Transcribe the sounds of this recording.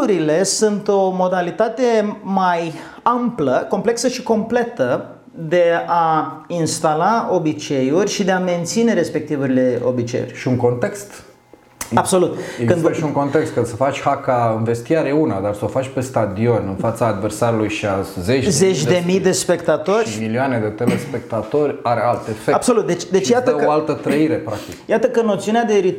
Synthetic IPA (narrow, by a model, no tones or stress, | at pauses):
uɾile̞sunt̪o̞mo̞d̪alit̪at̪e̞maj | ampləko̞mple̞ksəʃiko̞mple̞t̪ə | d̪e̞ainst̪alao̞bit͡ʃe̞jurʲʃid̪e̞ame̞nt̪sine̞ɾe̞spe̞k̚t̪ivuɾile̞o̞̰bit͡ʃe̞̰jṵrʲʃiuŋko̞nt̪e̞kst̪ | abso̞lut̪ekɨnʃiuŋko̞nt̪ekst̪̚kɨnsəfat͡ʃʲhakaɨnve̞st̪iaɾeunad̪arsəofat͡ʃʲpe̞st̪ad̪io̞nɨnfat̪saːd̪versaɾulujʃiazet͡ʃzze̞t͡ʃʲd̪emijd̪e̞spe̞kt̪at̪o̞rʲmiliane̞d̪e̞t̪elespe̞k̚t̪at̪o̞rʲaɾealt̪efeab̥so̞lut̪̚d̪et͡ʃd̪e̞t͡ʃjat̪əeoalt̪ət̪ɾəiɾe̞pɾak̚t̪ikjat̪əkənːot̪siunead̪e̞ɾi